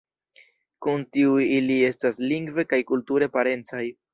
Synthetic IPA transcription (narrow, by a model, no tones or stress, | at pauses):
kuntiujilie̞stasliŋɡve̞kajkultuɾe̞paɾe̞nt͡saj